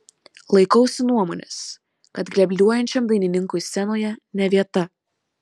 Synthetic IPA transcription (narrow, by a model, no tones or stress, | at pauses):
lˠɐɪkɐʊsʲɪnuɔmoːnʲɛ̰s | kɐt̪ɡlʲɛbʲlʲuɔjɛnʲt͡ʃʲɛmd̪ɐɪnʲɪnʲɪŋkʊɪsʲɛnoːjɛnʲɛʋʲiɛt̪ɐ